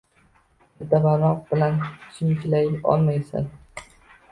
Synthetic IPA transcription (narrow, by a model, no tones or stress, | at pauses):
d̪abanɒq̚bɪlant͡ʃʰɪmt͡ʃʰɪlajɒ̰lˠmajsɪ̰n